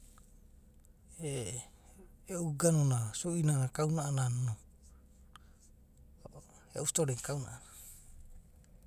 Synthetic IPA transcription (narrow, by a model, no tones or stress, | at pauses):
e | euɡanonasuʔinanakaunaʔanano | eust̪oɾeŋkawna̰ʔana